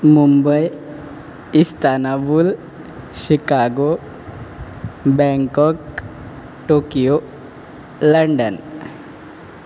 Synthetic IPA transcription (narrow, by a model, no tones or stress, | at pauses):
mumbəj | ist̪anabul | ɕikaɡo | bɛ̃ŋkɔk | ʈokijo | ləɳɖən